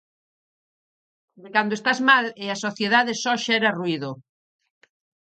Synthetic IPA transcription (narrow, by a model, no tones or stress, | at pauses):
d̪ekand̪oest̪azmalɪasoθjeðaðesɔʃɛɾɐruiðo